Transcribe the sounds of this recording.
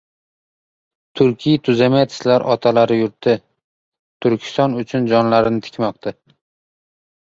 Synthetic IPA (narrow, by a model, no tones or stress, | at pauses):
t̪ʰʊɾkʲʰijt̪ʰʊzamajt̪ʰɪ̥slaɾʔɒt̪ʰalaɾɪjʊɾt̪ʰːɪ | t̪ʰʊɾkʲʰɪ̥st̪ɒnʊt͡ʃʰʊnd͡ʒɒnlaɾɪnɪt̪ʰɪ̥kʲmɒqt̪ʰa